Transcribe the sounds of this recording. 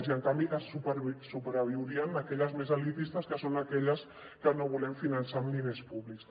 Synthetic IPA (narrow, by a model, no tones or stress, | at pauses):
ziəŋkambiʔasupɾsupɾəβiwɾiənakɛʎəzmezalit̪ist̪əskəsonakɛʎəs | kənoβulɛmfinansamlinespuβliks